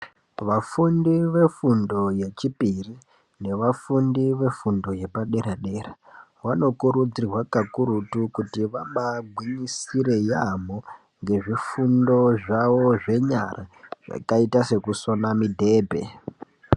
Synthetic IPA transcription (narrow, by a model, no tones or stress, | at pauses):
ʋafundiʋe̞fundo̞je̞t͡ʃipiri | ne̞ʋafundiʋe̞fundo̞je̞paɗe̞ɾaɗe̞rawano̞kuɾud͡zirwakakuɾutukutiʋamaɡʱwiɲisiɾe̞jamo | ŋɡe̞ʐifundo̞ʐawo̞ʐe̞ɲa̰rʔaʐ̥a̰kaitase̞kusonamidʱe̞ːbʱe̞̰